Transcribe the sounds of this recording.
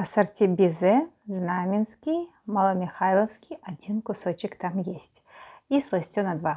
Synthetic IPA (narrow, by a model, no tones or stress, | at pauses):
ɐsɐrtʲɪbʲɪzɛznamʲɪnskʲij | mɐlˠɐmʲɪxajlˠəfskʲijɐdʲinkʊsot͡ɕɪkt̪amjesʲtʲislˠɐsʲtʲonɐd̪va